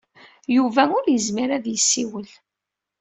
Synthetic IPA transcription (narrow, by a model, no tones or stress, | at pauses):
juvæʊɾjəzmiɾæðjəsːiwəl